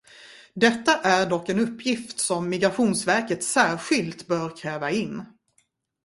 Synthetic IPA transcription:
d̪ɛt̪ːaʔæɖɔkːɛnɵpːjɪft̪sɔmːɪɡɾaɧuːnsvæɾkət̪sæːɾɧɪlt̪bœːɾkʰɾɛːvaɪnː

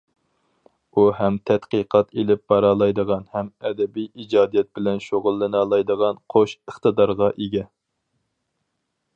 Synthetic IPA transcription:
uɦɛmt̪ʰɛt̪qiqʰɑt̪elɪp̚bɑɾɑːlˠɑjd̪əʁɑnhɛmɛd̪ɛbijid͡ʒɑːd̪ijɛt̪̚bɪlɛnʃoʁʊlˠːɨnɑːlˠɑjd̪əʁɑnqʰoʃəχt̪ɨd̪ɑɾʁɑʔeɡʲɛ

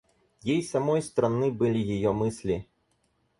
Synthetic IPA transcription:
jejsamɔjst̪ɾanɨbɨlʲijajɔmɨsʲlʲi

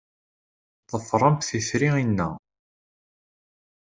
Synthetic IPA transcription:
ðˤəfrˤəmt̪θiθɾiinːæ̰

